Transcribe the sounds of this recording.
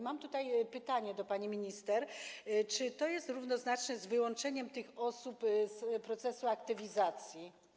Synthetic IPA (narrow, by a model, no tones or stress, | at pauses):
mamt̪ut̪ajpɘt̪aɲɛd̪ɔpaɲimʲiɲist̪ɛɾt͡ʂɘt̪ɔjɛst̪ɾuvnɔznat͡ʂnɛzvɘwɔnt͡ʂɛɲɛmt̪ɘxɔsupzpɾɔt̪sɛsuakt̪ɘvʲizat̪sʲji